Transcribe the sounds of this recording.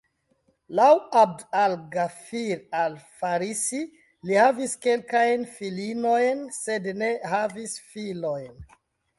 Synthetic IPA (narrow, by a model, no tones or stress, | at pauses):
lawab̚dalɡafiɾalfaɾisi | lihaviske̞lkajnfilino̞jnse̞dne̞havisfilo̞jn